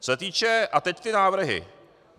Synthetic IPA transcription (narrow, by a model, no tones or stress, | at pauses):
sɔt̪iːt͡ʃɛat̪ɛct̪ɪnaːʋɾɦɪ̰